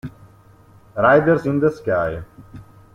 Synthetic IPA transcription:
ɾaːjd̪əɾsĩnd̪əskjaːɦe

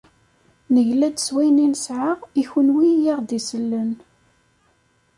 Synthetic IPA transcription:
nəʝlæd̪swæjninsʕaʁiçənwijiʁd̪isəlːən

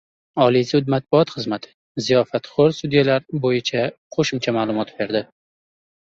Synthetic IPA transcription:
ɒlˠizʊd̪̚mat̪̚bʊɒt̪χɨzmat̪ʰɪ̥ | zijɒfat̪χoɾst̪ud̪ijalaɾbojɪt͡ʃʰaqʰoʃɪmt͡ʃʰamaːlˠʊmɒt̪b̥e̞ɾd̪ɪ

